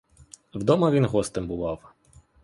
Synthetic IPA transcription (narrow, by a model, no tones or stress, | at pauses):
wd̪ɔmɐʋʲinɦɔst̪ɪmbʊʋɑw